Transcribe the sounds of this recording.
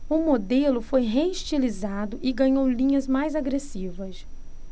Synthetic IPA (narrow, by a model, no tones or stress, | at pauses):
ʊmod̪elʊfojɦeiʃt͡ʃilizad̪ʊʔɪɡɐ̃ɲowlĩɲɐzmajzaɡɾesivɐs